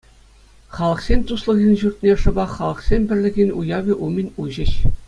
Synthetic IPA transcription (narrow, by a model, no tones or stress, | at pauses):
χɑlˠɤ̆χsʲemʲt̪uslˠɤ̆ɣʲinʲʑurt̪̚ʲnʲeʂɤ̆bɑχɑlˠɤ̆χsʲemʲbʲɘ̆rʲlʲɘ̆ɣʲinʲujɑʋʲeʔumʲɘ̆nʲuʑɘ̆ɕ